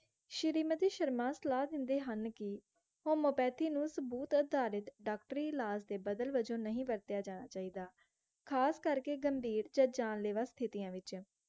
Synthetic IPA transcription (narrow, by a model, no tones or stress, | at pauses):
ʃəɾiːmət̪iːʃəɾmãːsəlaːd̪ɪnd̪eːɦənkɪ | hoːmoːpɛːt̪ʰiːnũːsəbuːt̪əd̪ʱaːɾɪt̪ɖaːkʈɾiːlaːsd̪eːbəd̪əlʋəd͡ʒõːnəɦĩːbəɾt̪jaːd͡ʒaːnaːt͡ʃaːiːd̪aː | kʰaːskəɾkeːɡəmbiːɾd͡ʒaːd͡ʒaːnleːʋaːst̪ʰɪt̪ɪjãːʋɪt͡ʃ